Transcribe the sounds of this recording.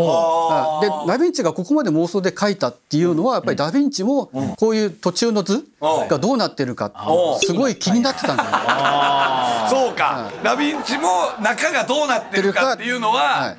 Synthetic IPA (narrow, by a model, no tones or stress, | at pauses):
oad̪e̞d̪abʲĩɲ̟t͡ɕiɡako̞ko̞mad̪e̞mo̞ːso̞ːd̪e̞kait̪at̪ːe̞jɯ̟ːno̞βajapːaɾʲidabʲĩɲ̟t͡ɕimo̞ko̞ːjɯ̟ːt̪o̞t͡ɕɨːno̞d͡zɨɡad̪o̞ːnat̪ːe̞ɾɯ̟ka̰t̪ːsɨɡo̞ikʲiɲ̟inat̪ːe̞t̪ãnes | soːka̰a̰dabʲĩɲt͡ɕimonakaɡad̪o̞ːnat̪ːeeɾɯ̟kakat̪ːejɯno̞βaha̰ḭ